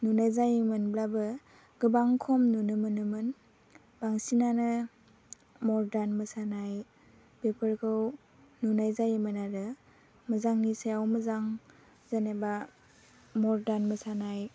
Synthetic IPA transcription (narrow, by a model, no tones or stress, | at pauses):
nunajzajimɯnblabɯ | ɡ̥ɯbaŋkʰɔmnunɯmɯnɯmɯn | baŋsinanɯ | mɔɾdanmɯsanaj | b̥epʰəɾkʰɯw | nunajzajimɯnaɾɯ | mɯzaŋnisajawmɯzaŋ | zaneba | mɔɾdanməsanaj